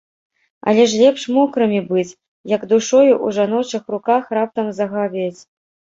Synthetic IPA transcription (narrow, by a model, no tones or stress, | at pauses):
ɐ̰lʲɛʂ̬lʲɛpʂmɔkɾɨmʲibɨt͡sʲ | jɐɡd̪uʂɔjuʔuʐanɔt͡ʂɨxrukaxrap̚t̪ɐmzɐɣavʲet͡sʲ